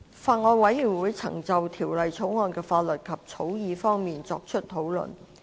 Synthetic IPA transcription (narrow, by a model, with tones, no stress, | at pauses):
faː˧ŋɔː˧nwɐ˨˥jːyː˨˩nwuː˨˥jt͡sʰɐ̰˨˩ŋt͡sɐ˨wt̪ʰiː˨˩wlɐ˨jt͡sʰo˨˥wŋɔː˧nkɛː˧faː˧t̚lɵ˨t̚kʰɐ˨p̚t͡sʰo˨˥wjiː˨˧fɔː˥ŋmiː˨nt͡sɔː˧k̚t͡ʃʰɵ˥t̚t̪ʰo˨˥wlɵ̰˨˩n